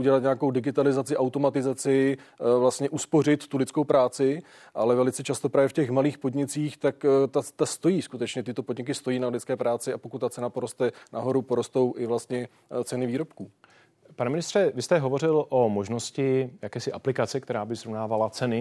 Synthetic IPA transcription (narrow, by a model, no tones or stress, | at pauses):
ʔuɟɛlat̪ɲaako̞wdɪɡɪt̪alɪzat͡sɪʔawt̪o̞mat̪ɪzat͡sɪvlast̪ɲɛʔuspo̞rɪt̪ːulɪtt͡sko̞wpɾaːt͡sɪ | ʔalɛvɛlɪt͡sɛt͡ʃast̪o̞pɾaːvjɛfcɛxmaliːxpo̞dɲɪt͡siːxt̪akt̪at̪ast̪o̞jiːskut̪ɛt͡ʃɲɛt̪ɪt̪o̞podɲɪk̬ɪst̪o̞jiːnalɪt̪t͡skɛːpɾaːt͡sɪapo̞kut̪t̪ːat͡sɛnapoɾo̞st̪ɛnʔaɦo̞ɾupo̞ɾo̞st̪o̞wʔɪvlast̪ɲɛ | t͡sɛnɪviːɾo̞pkuː | panɛmɪnɪst̪r̥ɛvɪst̪ɛɦovo̞rɪlʔomoʒnoscɪjakɛːsɪʔaplɪkat͡sɛk̚t̪ɛɾaːbɪzɾovnaːvalat͡sɛnɪ